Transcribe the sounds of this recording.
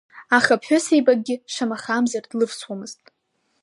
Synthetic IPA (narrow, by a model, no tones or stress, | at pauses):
aχapʰħʷᶣʊsejbaɡ̚ɡʲɪʂamaχamzard̥lɨvswamɨztʼ